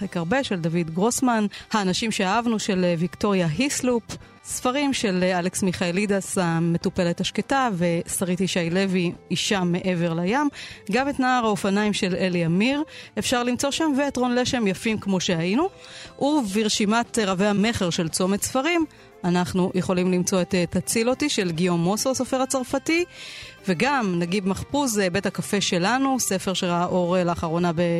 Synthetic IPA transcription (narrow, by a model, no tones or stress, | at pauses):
ekaʁbe̞ʃe̞ldavidɡʁosmanhaːnaʃimʃeaavnuʃe̞levikto̞ʁjaɦislup | sfaʁimʃe̞laleksmiχaelidasame̞tupe̞lethaʃketave̞saʁithiʃajle̞viːʃamːe̞ʔe̞ve̞ʁlajamɡametnaaʁaofanajmʃe̞le̞liamiʁefʃaʁlimt͡so̞ʃamveːtʁo̞nle̞ʃe̞mjafimkmo̞ʃe̞ajinu | ʔuviʁʃimatʁavehame̞χe̞ʁʃe̞lt͡so̞metsfaʁim | anaχnujʔeχo̞limlimt͡so̞et̪tat͡silotiʃe̞lɡio̞mo̞sosofe̞ʁat͡saʁfativeɡamnaɡidmaχpuzbe̞thakafe̞ʃe̞lanuse̞feʁʃelaʔoʁelaːχaʁo̞nabe